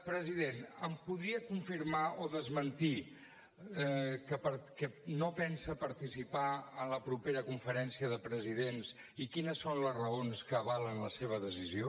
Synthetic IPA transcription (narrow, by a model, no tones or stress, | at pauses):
pɾəziðenəmpuðɾiəkuɱfiɾmaoðəzmənt̪i | kəpəɾkɛnopɛnsəpəɾt̪isipaənləpɾupeɾəkuɱfəɾɛnsiəðəpɾəziðens | ikinəsːonləzrəonskəβalənləseβ̞əðəsizio